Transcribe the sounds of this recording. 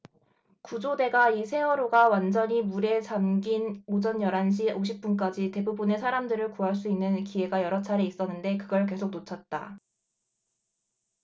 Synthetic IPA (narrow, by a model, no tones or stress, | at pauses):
kud͡ʑode̞ɡaisʰe̞wʌɾoɡawand͡ʑʌɲimuɾe̞t͡ɕamɡinod͡ʑʌnjʌɾanɕ̬ʰiʔoɕ̬ʰip̚p͈unk̬͈ad͡ʑite̞bubɯne̞sʰaɾamdɯɾɯɭkuɦaɭs͈uinːɯnkie̞ɡajʌɾʌt͡ɕʰaɾeis͈ʌnːɯnde̞kɯɡʌɭke̞sʰok̚not͡ɕʰʌt̚t͈a̰